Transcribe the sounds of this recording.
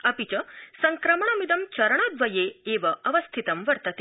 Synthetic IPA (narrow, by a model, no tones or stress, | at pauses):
ɐpit͡ʃɐsɐŋkɾɐmɐɳɐmid̪ɐmt͡ʃɐɾɐɳ̃ɐd̪ʋɐjeeːʋɐɐʋɐst̪ʰit̪ɐmʋɐɾt̪ɐt̪e